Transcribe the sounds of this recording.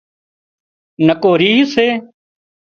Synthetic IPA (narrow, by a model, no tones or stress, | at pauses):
nəkoːɾiːɦseː